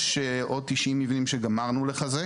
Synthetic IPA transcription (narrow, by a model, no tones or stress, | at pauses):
ʃeʔod̚tiʃʔimːivinimʃeɡamaʁnuleχaze